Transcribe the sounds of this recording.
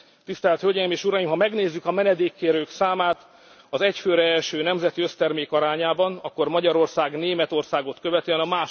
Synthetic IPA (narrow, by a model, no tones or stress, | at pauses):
t̪ist̪ɛlt̪hølɟɛjimeːʃuɾɒjimɦɒmɛɡneːzːykɒmɛnɛd̪eːkːeːɾøːksaːmaːt̪ | ɒzɛcføːɾɛɛlʃøːnɛmzɛt̪iøst̪ɛrmeːkɒɾaːɲaːbɒnɒkːo̞rmɒɟɒɾo̞rsaːɡneːmɛt̪o̞rsaːɡo̞t̪kø̞vɛt̪iɛnɒmaːʃ